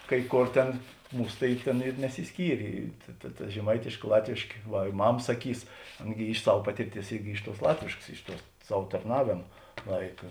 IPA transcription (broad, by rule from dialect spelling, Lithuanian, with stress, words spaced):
kɐɪ ˈkoːr ˈtʲɛn ˈmuːs tɐɪ ˈtʲeːn ɪr nʲɛsʲɪsʲˈkʲiːrʲeː tɐ tɐ ʒʲɛˈmɐɪtʲeːʃʲkʲeː ˈlˠɑːtʲʋʲeːʃʲkʲeː ˈʋɐ ɪ ˈmɐm sɐˈkʲiːs ˈɑːnɐ ɡʲɪ ɪʃ ˈsɐw ˈpɑːtʲɪrʲˌtʲiɛs ˈɪrʲɡʲɪ ˈɪʃ ˌtuɔs ˈlˠɑːtʲʋʲeːʃkɐs ˈɪʃ ˌtuɔ ˈsɐw tɐrˈnɑːʋʲeːmɐ ˈlˠɐɪkɐ